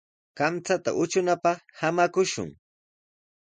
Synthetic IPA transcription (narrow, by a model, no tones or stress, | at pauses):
kamt͡sat̪a̰ʔʊt͡ʃʊnapɑχhamakʊʃʊ̰ŋ